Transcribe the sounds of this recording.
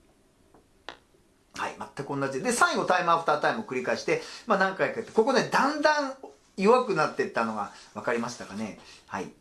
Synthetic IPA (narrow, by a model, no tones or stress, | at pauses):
ha̰ḭmat̪ːakɯõ̞nːad͡ʑid̪ed̪e̞saiŋɡo̞t̪aimɯaɸɯ̟̥t̪aːt̪aimɯokɯ̟ɾʲikaiɕi̥t̪e̞manãŋkaikaɯ̟t̪ːe̥ko̞ko̞ned̪ãnd̪ãŋ̃ | joβakɯ̟nat̪ːe̞t̪ːano̞ɡaβakaɾʲimaɕi̥t̪akane̞ha̰ḭ